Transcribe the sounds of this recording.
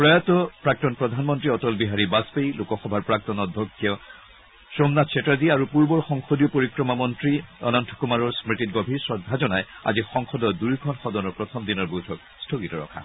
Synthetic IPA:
pɹɔjat̪ɔpɹak̚tɔnpɹɔd̪ʱanmɔntɹiɔtɔlbiɦaɹibaspejlokɔxɔbʱaɹpɹak̚tɔnɔdʱːɔkʰːijɔ | sɹomnatsʰɛtadiaɹupuɹbɔɹxɔŋxodijɔpoɹikɹɔmamɔntɹiɔ̰nɔntʰɔ̥kumaɹɔɹsmɹitit̚ɡobʱiɹsɹɔdʱːazɔnaja̰zixɔŋxɔdɔdujkʰɔnxɔdɔnɔɹpɹɔt̪ʰɔmd̪inɔɹbojtʰɔk | stʰoɡitɔɹɔ̰kʰa̰

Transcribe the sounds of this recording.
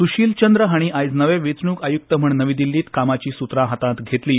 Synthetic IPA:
suɕiːlt͡ɕənd̪ɾəɦaɽ̃iajd͡znəʋeʋet͡sɳuːkajuk̚t̪əm̤əɳnəʋid̪ilːiːt̪kamat͡ɕiːsut̪ɾaɦat̪ãt̪ɡʱet̪liː

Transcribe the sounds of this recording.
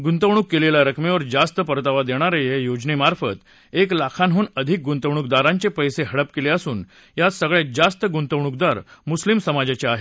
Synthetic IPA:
ɡunt̪əʋɳ̃ukːelelaɾəkʰmeʋəɾd͡zast̪əpəɾt̪aʋad̪eɽ̃aɾejejod͡ʑnemaɾfət̪ | eklakʰanɦuːnəd̪ʱik̚ɡunt̪əʋɳ̃uk̚d̪aɾãɲt͡ɕepəjseɦəɽəpkeleəsuːn | jat̪səɡɭed͡zast̪əɡunt̪əʋɳuk̚d̪aɾmuslimsəmad͡ʑat͡ɕeaɦe

